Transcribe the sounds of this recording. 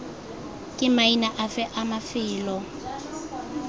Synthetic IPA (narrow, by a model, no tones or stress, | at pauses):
kʼɪmainaʔafɛʔamafɪːlɔ